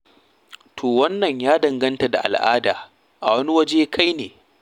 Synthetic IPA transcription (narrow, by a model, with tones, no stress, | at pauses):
tʰoː˨wɐ˦nːɐ˨ɲjaː˦dɐ˨ŋɡɐ˦nta˨da˨ʔa̰˨lʔa̰ː˦da̰ː˨ | ʔa̰˨wɐ˦ni˦wɐ˦d͡ʒeː˦kʰa˦jneː˨